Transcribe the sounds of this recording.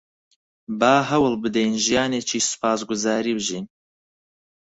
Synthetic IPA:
bɑːɦɐwɨlbɨd̪ɛjnʒijɑːneːt͡ʃʰiːʃsɨ̥pʰɑːs̬ɡʊzɑːɾiːbɨʒiːn

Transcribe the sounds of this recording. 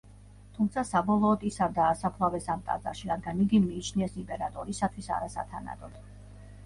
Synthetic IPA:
t̪ʰumt̪sʰasabɔlˠɔːd̪isaɾd̪aːsapʰlˠavɛsamt̪ʼa̰zʼa̰ɾʃiɾad̪ɡaniɡimiːt͡ʃʰniɛsimpʼɛɾat̪ʼɔɾisat̪ʰwisa̰ɾasa̰t̪ʰa̰na̰d̪ɔd̪̥

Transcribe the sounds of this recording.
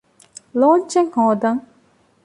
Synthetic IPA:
lɔːnt͡ʃeŋhoːd̪ɐŋ

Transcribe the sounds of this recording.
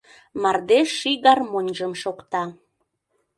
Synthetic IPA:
mɑrd̪eʃːiɣɑrmonʲʒəmʃokt̪ɑ

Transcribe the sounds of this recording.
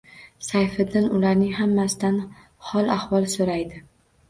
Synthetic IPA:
sajfɪd̪ɪnʊlaɾnɪŋɦamːasɪd̪an | hɒlˠahvɒlˠsoɾajd̪ɪ

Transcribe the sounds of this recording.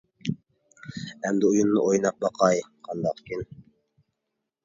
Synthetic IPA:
æmd̪ɪujunːɨʔojnɑq̚bɑqʰɑjqʰɑnd̪ɑqkʲin

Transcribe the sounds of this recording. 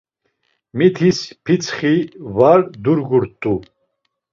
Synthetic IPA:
mit̪ʰispʰit͡sʰχivaɾd̪uɾɡuɾt̪ʼu

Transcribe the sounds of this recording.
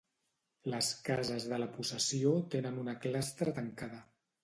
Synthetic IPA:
ləskazəzðələpusəsiot̪enənunəklast̪ɾət̪əŋkaðə

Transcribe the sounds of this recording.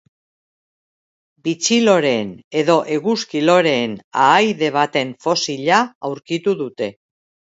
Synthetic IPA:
bit͡silo̞ɾe̞ne̞ðo̞ʔe̞ɣuskilo̞ɾe̞ːnaːjðe̞β̞at̪e̞ɱfo̞siʎaawɾkit̪uðut̪e̞

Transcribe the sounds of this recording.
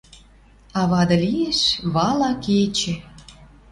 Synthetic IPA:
ɑβɑd̪ɤ̆lijeʃβɑlɑket͡ɕĕ

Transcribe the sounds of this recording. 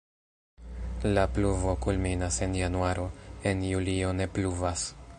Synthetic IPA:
lapluvo̞kulminase̞njanuaɾʔo̞e̞njulio̞ne̞pluvas

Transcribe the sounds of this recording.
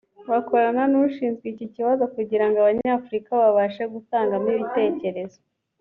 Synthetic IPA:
βako̞ɾananuʃiːnzɡwiːciciβazo̞kuɟiɾaŋɡaβaɲaːfuɾikaβaβaʃeɡutaːŋɡamiβite̞ːce̞ɾe̞zo

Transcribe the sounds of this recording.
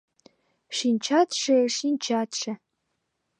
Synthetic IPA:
ʂint͡ʃʰatʰʂɐʂint͡ʃʰatʰʂʰɐ

